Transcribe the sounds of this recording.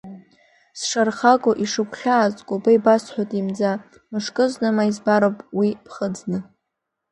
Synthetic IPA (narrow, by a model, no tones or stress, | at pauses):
sʂarχakʷʼoʔiʂɨkʷʰʼɬaːzʼkʷʼʊbajbasħʷᶣatʼimd͡za | mɨʂkʼɨznɨmaizbaɾopʼwipʰχəd͡znɨ